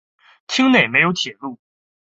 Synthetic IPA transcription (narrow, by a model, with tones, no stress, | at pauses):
t͡ɕʰi˥ŋne˥˩ɪme˧˥ɪjo˧˥t͡ɕʰjɛ˨˩lu˥˩